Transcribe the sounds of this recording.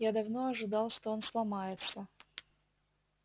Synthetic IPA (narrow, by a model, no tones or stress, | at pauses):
jad̪ɐvno̞ɐʐɨd̪ɑlˠʂt̪oonslˠɐmajɪt̪sə